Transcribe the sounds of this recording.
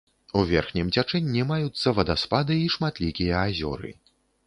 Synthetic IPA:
uvʲɛrxnʲɛmt͡sʲat͡ʂɛnʲːimajut̪sːɐvɐd̪aspad̪ɨiʂmat̪lʲikʲijɐːzʲɔ̰ɾɨ̰

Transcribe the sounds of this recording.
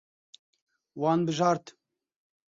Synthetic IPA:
wɑːnbɨʒɑːɾt̪

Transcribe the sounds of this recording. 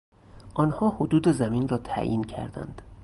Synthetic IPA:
ʔɒːnhɒːhod̪uːd̪ezæmiːnrɒːt̪ʰæ̰ːʔḭːncʰæ̰ɾd̪æ̰nd̪̥

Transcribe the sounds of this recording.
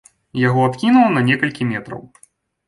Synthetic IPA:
jaɣɔat̪kʲinuwnɐnʲɛkɐlʲkʲimʲɛt̪ɾɐ̰w

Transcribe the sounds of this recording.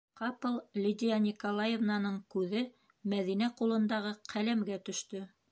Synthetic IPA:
qɑpɤlˠlʲid̪ʲijanʲɪkolˠajevnɑnɤɴkʉðɘ | mæðin̪æqulˠɤ̆nd̪ɑʁɤqʰælæmɡæt̪ɵ̆ʃt̪ɵ

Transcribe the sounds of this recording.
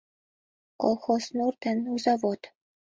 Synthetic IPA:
ko̰lˠxosnurt̪ɘ̆nuzɑvot̪

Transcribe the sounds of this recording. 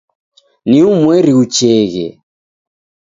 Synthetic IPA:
niumwɛɾiut͡ʃɛɣɛ̰

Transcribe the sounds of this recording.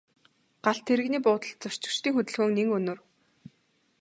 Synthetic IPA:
ɢ̥aɬt̪ʰːeɾɘ̆ɣniːpʊːt̪ə̆ɮt͡sʊr̥t͡ɕɪ̆kt͡ɕt̪iːŋxɵt̪ɘ̆ɮxɵːŋneŋɵnɵ̆r

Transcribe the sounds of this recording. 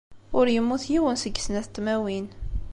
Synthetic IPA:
ʊɾjəmːuθjiwənsəɡːsnæθt̪ːmæwin

